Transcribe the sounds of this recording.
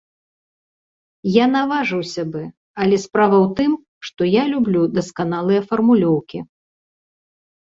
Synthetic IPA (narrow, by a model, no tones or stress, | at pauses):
janavaʐɨwsʲɐbɨ | ɐlʲɛspɾavɐwt̪ɨm | ʂt̪ɔjalʲublʲud̪ɐskanalˠɨjɐfɐrmulʲɔwkʲi